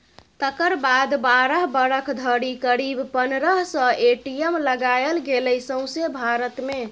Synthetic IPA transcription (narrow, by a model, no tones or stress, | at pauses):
t̪əkəɾbad̪baɾəɦbəɾəkʰd̪ʱəɽikəɾibpənɾəɦsə̃eʈijemləɡajelɡeləjsə̃w̃sebʱaɾət̪me